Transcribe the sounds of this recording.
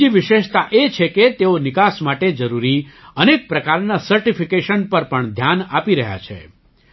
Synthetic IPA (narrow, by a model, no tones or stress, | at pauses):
iʋɪʃeʃt̪aʔet͡ʃʰeket̪eonɪkasmaʈed͡ʒəɾuɾiənek̚pɾəkaɾnasəɾʈifikeʃənpəɾpəɳd̪ʱjana̰piɾəɦja̰t͡ʃʰḛ